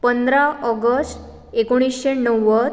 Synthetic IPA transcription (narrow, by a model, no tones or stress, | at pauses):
pənd̪ɾaʔəɡəsʈ | ekoɽ̃isɕenəwːə